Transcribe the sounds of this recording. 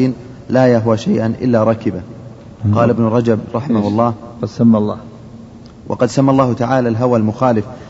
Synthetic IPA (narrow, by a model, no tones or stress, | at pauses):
iːn | laːjaɦwaʃajʔanʔɪ̰lːaɾˤɑːkɪba | qɑːlɪbnʊɾˤɑd͡ʒabɾˤɑħɪmahʊlˤːɑːɑd̪samːalˤːɑː | wʔɑ̰qɑd̪samːalˤːɑːhʊt̪aʕaːlalɦawalmʊxaːlɪf